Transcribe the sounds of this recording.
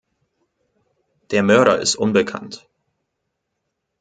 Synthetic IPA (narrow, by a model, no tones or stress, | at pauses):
d̥eːɐmœɐɾɐɪ̰stʔʊnbəkʰa̰nt